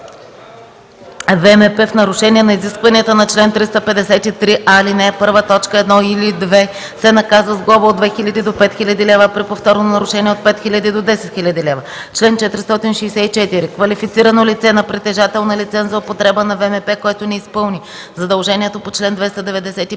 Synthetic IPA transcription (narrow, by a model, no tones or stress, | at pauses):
vɛmɛpɛfnɐɾʊʃɛniɛnɐiziskvɐniɛt̪ənɐt͡ʃlɛnt̪ɾist̪əpɛd̪ɛsɛt̪it̪ɾiʔalinɛpɤɾvət̪ɔt͡ʃkəɛd̪nɔilid̪vɛ | sɛnɐkazvəzɡlˠɔbəod̪vɛxilʲɐd̪id̪opɛt̪xilʲɐd̪ilɛvəpɾipoft̪ɔɾnonɐɾʊʃɛniɛot̪̚pɛt̪xilʲɐd̪id̪od̪ɛsɛt̪xilʲɐd̪ilɛvə | t͡ʃlɛnt͡ʃɛt̪ɾist̪ɔt̪inʃɛːsɛit͡ʃɛt̪iɾikvɐlifit̪siɾɐnolit̪sɛnɐpɾit̪ɛʒat̪ɛlˠnɐlit̪sɛnzɐopot̪ɾɛbənɐvɛmɛpɛkoɛt̪onɛispɤlˠni | zɐd̪ɐlˠʒɛniɛt̪opot͡ʃlɛnd̪vɛst̪əd̪ɛvɛd̪ɛsɛt̪i